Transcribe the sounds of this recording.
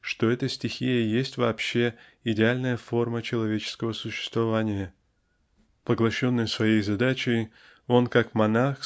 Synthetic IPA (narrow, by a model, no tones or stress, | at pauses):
ʂt̪o̞ɛt̪əsʲtʲɪxʲijəjesʲtʲvɐːpɕːe̞ | ɪdʲɪalʲnəjəfo̞rmət͡ɕɪlˠɐvʲet͡ɕɪ̥skəvəsʊɕːɪ̥st̪vɐvanʲɪjə | pəɡlˠɐɕːo̞nːɨjsvɐjejzɐd̪at͡ɕɪj | o̞nkakmɐnax